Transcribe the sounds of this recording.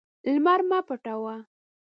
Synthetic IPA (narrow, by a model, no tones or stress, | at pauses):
lmaɾmapəʈawa